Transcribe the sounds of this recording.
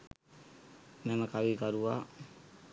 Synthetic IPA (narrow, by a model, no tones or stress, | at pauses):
mɛmakawikaɾua